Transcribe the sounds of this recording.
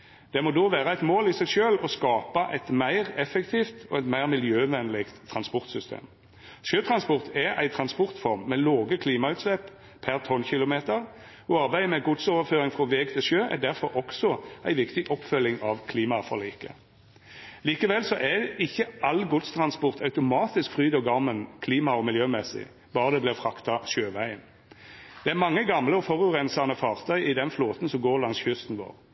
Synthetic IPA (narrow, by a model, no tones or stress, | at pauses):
d̪̥ɛmɔːd̪oːʋæːʁəæɪt̪moːlɪsɛɪɡʃøːlɔskɑːpɑʔɛɪt̪mæɪʁɛfɛkt̪ʰiːft̪ɔɛt̪mæɪʁmɪljøːʋɛnlɪɡt̪ʰːɾɑnspɔʁt̪sʏst̪ʰḛːm | ʃjøːt̪ʰɾɑnspɔʁt̪ʰɛæ̰ɪt̪ʰɾɑnspɔʁt̪fɔʁmːɛloːɡəkʰliːmɑʉːt̪slɛp | pʰæʁt̪ʰɔnçɪlʊmeːt̪əʁ | ɔɑɾbæɪmɛɡʊd̪soːʋəføːɾɪŋfʁɔʋeːɡt̪ʰɪlʃøːʔæ̰d̪æʁfɔɾʔɔksɔæɪʋɪkt̪ɪʔɔpːfœlɪŋɑʋkʰliːmɑfɔ̰ʁliːkə̰ | liːkəʋɛlsɔʔæɪçːəʔɑlɡʊd̪st̪ʰʁɑnspɔʁt̪ʰɑʉt̪ʊmɑːt̪ɪskfʁyːd̪ɔɡɑʁmənkʰliːmɑɔmɪljøːmɛsɪ̰ | b̥ɑːʁəd̪ɛblɪfʁɑkt̪ɑʃøːʋæɪən | d̪̥ɛæʁmɑŋːəɡɑmləɔfɔʁʉʁɛnsɑnəfɑːʁt̪ʰœʏɪd̪ɛnfloːt̪n̩sɔmɡoːʁlɑnsçʏst̪n̩ʋo̰ːʁ